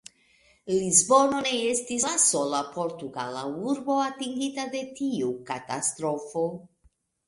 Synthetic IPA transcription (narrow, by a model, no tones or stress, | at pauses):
lizbo̞no̞ne̞estislaso̞lapo̞ɾt̪uɡa̰la̰uɾbo̞at̪iŋɡit̪ad̪e̞tiukat̪a̰st̪ɾo̞fo̞